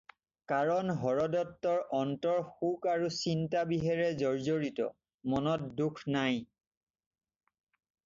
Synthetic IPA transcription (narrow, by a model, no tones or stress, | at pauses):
kaɹɔnɦɔɹɔdɔtːɔɹɔntɔɹxukaɹusintabiɦɛɹɛzɔɹzoɹitɔ̰ | mɔnɔt̚dukʰnaj